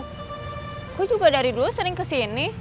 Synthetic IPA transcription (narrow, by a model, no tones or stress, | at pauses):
kud͡ʒuɡadaɾiduəsəɾɪŋkəsini